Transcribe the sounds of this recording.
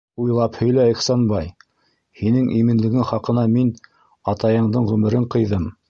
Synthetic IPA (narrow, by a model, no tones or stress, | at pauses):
ujlˠɑphɵ̆jlæɘ̆χsɑnbɑj | hinɘŋʔimɘ̆nlɘ̆ɡɘŋχɑqɤ̆nɑmin | ɑt̪ɑjɤ̆ɴd̪ɤɴʁɵmɘ̆ɾɘɴqɤ̆jðɤm